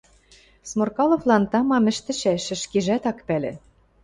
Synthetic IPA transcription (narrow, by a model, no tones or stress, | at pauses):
smorkɑlˠŏvlˠɑnt̪ɑmɑmɘ̆ʃt̪ɘ̆t͡ɕæʃɘ̆ʃkeʒæt̪ɑkpælʲḛ̆